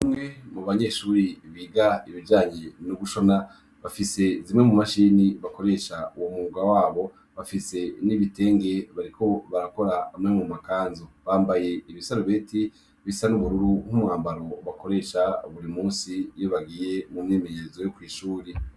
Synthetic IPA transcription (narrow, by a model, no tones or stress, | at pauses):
imŋe̞muβaɲe̞ʃuːɾiβiːɡaiβiɟaːɲenuɡuʃo̞na | βafise̞zimŋemumaʃiːniβako̞ɾe̞ʃauwomuːɡawaːβo̞ | βafise̞niβite̞ːŋɡe̞βaɾikʰo̞βaɾako̞ɾaamŋemumakaːnzoβaːmbaje̞iβisaɾoβeːti | βisanuβuɾuɾuhumuhaːmbaɾo̞βako̞ɾe̞ːʃaβuɾimuːnsijoβaɡiːje̞mumŋeːme̞ɲeɾezo̞jokwiːʃuːɾi